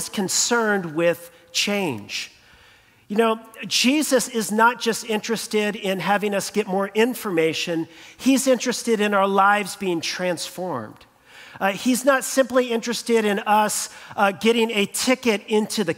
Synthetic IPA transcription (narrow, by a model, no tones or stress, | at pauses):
z̥kʰɨ̃nsɜ̃˞nd̚wɪð̥ | t͡ʃʰẽɪ̃nd͡ʒ | jɨnoʊd͡ʒizɨsɪznət̚d̥ʒ̥ʌstɪ̃nt͡ʃɹ̥ɨstɪɾɪ̃nɦævɪ̃ŋʌsɡ̥ɛt̚mɔɹʔɪ̃ɱfə˞meɪʃɨ̃nizɪ̃nt͡ʃɹ̥ɨstɨɾɨ̃naʊə˞laɪvzbiɪ̃ŋtʰɹ̥æ̃nsfɔɹmd̥ | iznətsɪ̃mpliɪ̃nt͡ʃɹ̥ɨstɪɾɨ̃nʌsɡɛɾɪ̃ŋɨtʰɪkɨɾɪ̃ntʰʉðɨ